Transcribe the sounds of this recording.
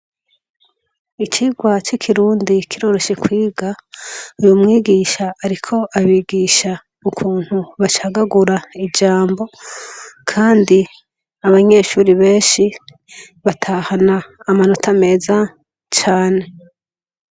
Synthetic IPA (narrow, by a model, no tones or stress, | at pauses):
it͡ʃiːɡwat͡ʃikʰiɾuːndikʰiɾo̞ːɾo̞ʃe̞kwiːɡaujumŋiːɡiːʃaːɾikʰo̞ʔaβiɡiːʃa | ukʰuːn̥huβat͡ʃaːɡaɡuɾaid͡ʒaːmbo̞ | kʰaːndi | aβaɲe̞ʃuːɾiβe̞ːnʃi | βatʰaːhanaːmanotʰame̞ːza | t͡ʃaːne̞